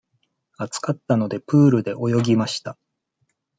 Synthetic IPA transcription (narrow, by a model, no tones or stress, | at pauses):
at͡sɨ̥kat̪ːano̞d̪e̞pɯːɾɯ̟d̪e̞ʔo̞jo̞ɡʲimaɕi̥t̪a